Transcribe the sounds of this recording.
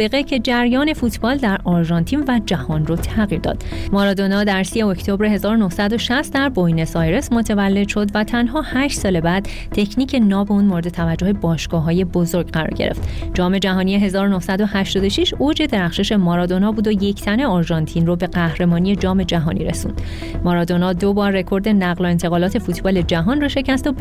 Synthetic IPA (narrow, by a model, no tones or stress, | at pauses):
eɣecʰe̞d͡ʒæɾjɒːne̞fuːt̪ʰb̥ɒːld̪æɾɒɾʒɒːnt̪ʰinvæd͡ʒæhɒnrot̪ʰæɣiːɾd̪ɒ̰ːd̪̥mɒɾɒːd̪o̞nɒːd̪æɾsijeoct̪ʰobɾeɦe̞zɒːɾonohsæd̪o̞ʃæst̪d̪æɾbojne̞sɒːjɾe̞smo̞t̪ʰevælːe̞d̪ʃo̞d̪væt̪ʰænɦɒːhæːʃt̪sɒːle̞bæːd̪ | t̪ʰe̞cʰniːcʰe̞nɒːbeuːnmoɾe̞d̪et̪ʰævæd͡ʒːohe̞bɒːʃɡ̥ɒːɦɒːje̞bo̞zo̞ɾɡɢæɾɒ̰ɾɟe̞̰ɾe̞̰ft̪d͡ʒɒːme̞d͡ʒæɦɒːnieɦe̞zɒːɾonohsæd̪o̞hæʃt̪ɒːd̪o̞ʃiʃod͡ʒe̞d̪e̞ɾæχʃe̞ʃe̞mɒɾɒːd̪o̞nɒːbuːd̪oje̞cʰt̪ʰæne̞ɔɾʒɒnt̪ʰiːnrobe̞ɡæhɾe̞mɒːnije̞d͡ʒɒːme̞d͡ʒæɦɒːnʔḭɾe̞sṵːnd̥̪ | mɒɾɒːd̪o̞nɒd̪obɒːɾːe̞kʰo̞ɾd̪e̞næɣloe̞nt̪ʰe̞ɣɒːlɒːt̪ʰe̞fuːt̪ʰbɒːle̞d͡ʒæɦɒːnroʃe̞cʰæst̪o